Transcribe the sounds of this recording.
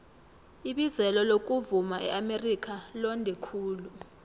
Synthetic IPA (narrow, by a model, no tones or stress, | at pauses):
iɓizɛlɔlok̬ʼuvumaʔɛ̰ʔamerik̬ʼalɔndʱɛkʰuːlu